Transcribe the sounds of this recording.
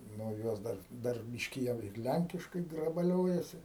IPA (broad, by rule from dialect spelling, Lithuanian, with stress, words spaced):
ˈnʊ ˈjoːs ˈdɐr ˈdɐr ˈbʲɪʃʲkʲɪ jɛʊ ɪr ˈlʲæŋʲkʲɪʃkɐɪ ɡrɐbɐˈlʲoːjɛsʲɪ